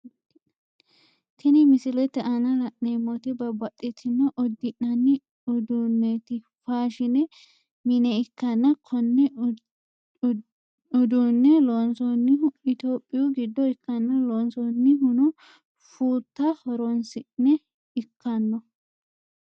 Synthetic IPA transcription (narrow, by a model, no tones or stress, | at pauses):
t̪ʰɛnɪmɪsɪlɛt̪ːɛʔɐnɐlɐʔnemɔt̪ɪbɐbɐtʼːɪt̪ʰːɪnːɔʔɔd̪ːɪʔɐnːɪ | ʊd̪unːɛt̪ɪ | faːʃɪnɛ | mɪnɛɪkːɐnːɐkʰɔnːɛ | ʊd̪unːɛlonsɔnːɪhʊɪt̪oːpʼːɪjʊɡɪd̪ːɔɪkːɐnːɐloːnsɔnːɪhʊnʊ | fuːt̪ːɐhɔɾɔnsɪnːɛ | ɪkːɐnːɔ